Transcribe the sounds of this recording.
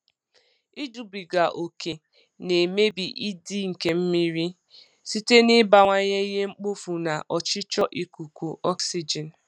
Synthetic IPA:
i˦du˨bi˨ɡa˨ʔo˨ke˨ | ne˨me˦bi˨ʔi˦di˦ŋ̩˨ke˨m̩˦mi˦ɾi˦ | si˦te˦nɪ˦ba˨ŋʷa˦ɲe˦i˦ɦe˦ŋ͡m̩˦k͡po˦fu˨na˨ʔɔ˨t͡ʃɪ˦t͡ʃɔ˦ʔi˨ku˨ku˨ɔ˦ksi˦d͡ʒɛ˨n˨

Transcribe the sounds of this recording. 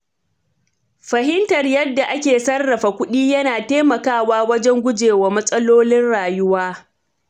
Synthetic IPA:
ɸɐ˨ɦɪ˦ntɐ˨rjɐ˦dːa˨ʔa˦kʲeː˨sɐ˦rːɐ˨ɸa˨kʷʊ˦ɗiː˦jɐ˦naː˨teː˦mɐ˨kaː˦waː˦wɐ˦d͡ʒɛ˦ŋɡʷʊ˦d͡ʒeː˨wa˨mɐ˦sʼɐ˦loː˦lɪ˦nɽaː˨jʊ˦waː˦

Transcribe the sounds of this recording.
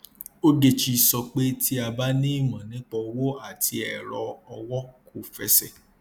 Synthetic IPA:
o˦de˦˨t͡ʃi˧sɔ˧k͡pe˦ti˦a˧ba˦nĩ˦i˦˨mã˨nĩ˦k͡pɔ˧wo˦a˨ti˧ɛ˨ɾɔ˧ɔ˧wɔ˦ko˦˨fɛ̰˧˦sɛ̰˦˨

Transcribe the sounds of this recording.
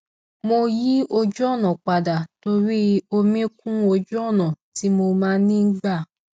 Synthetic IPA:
mo˧ji˦o˧d͡ʒɔ˦˨nɔ̃˨k͡pa˨da˨to˧ɾi˦o˧mĩ˦kũ˦o˧d͡ʒu˦ɔ˦˨nɔ̃˨ti˨˦mo˧mãː˦nĩ˦n̩˦ɡ͡ba˦˨

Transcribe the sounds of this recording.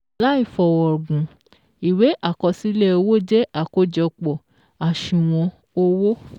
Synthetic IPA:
la˦i˦˨fɔ˨wɔ˨ɡũ˨ | i˨we˨˦ʔa˦˨kɔ˧si˦lɛ˦o˧wo˦˨d͡ʒɛ˦a˦˨ko˧˦d͡ʒɔ˧k͡pɔ˨ | a˨ʃũ˧˨w̃ɔ̃˧ | o˦wo˦

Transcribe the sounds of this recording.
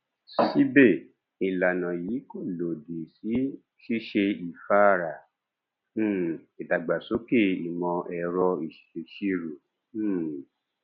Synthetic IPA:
si˦be˦˨ | i˨la˨nã˨jiː˨˦ko˦˨lo˨de˨si˨˦ | ʃi˦ʃe˧i˨fa˦˨ɾã˨˦˨ | i˨ta˨ɡ͡ba˨so˨˦ke˦˨i˨mɔ̃˧ʔɛ˧ɾɔ˧i˨ʃi̥˨ʃe˧ʃi˦ɾũ˨˦˨

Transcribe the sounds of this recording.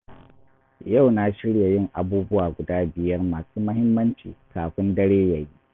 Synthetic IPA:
ja˦˨wna˦ʃɪ˦ɽja˨jɪ˦˨ŋʔa˨buː˦bʊ˦waː˨ɡʷʊ˨daː˦bɪ˨jɐ˦rmaː˨suː˦mɐ˦hɪ˦mːɐ˦nt͡ʃḭː˨kaː˨ɸɪ˦ndɐ˦ɽeː˦jɐ˨jiː˦

